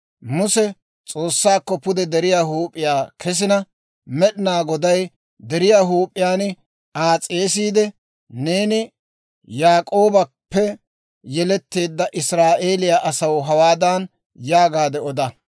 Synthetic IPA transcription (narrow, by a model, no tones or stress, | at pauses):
mʊsɛ | t͡sʼo̞ːsːaːkːɔpʊd̪ɛd̪ɛɾɪjaːɦuːpʼːɪjaːkʰɛs̬ɪnɐ | mɛɗɪnaːɡɔd̪ɐj | d̪ɛɾɪjaːɦuːpʼːɪjaːn | aːt͡sʼeːsiːd̪ɛ | ne̞ːnɪ | jaːkʼoːbɐpːɛ | jɛlɛt̪ːe̞ːd̪ːɐʔɪsɾaːʔe̞ːlɪjaːʔɐsɐwɦɐwaːd̪aːn | jaːɡaːd̪ɛɔd̪ɐ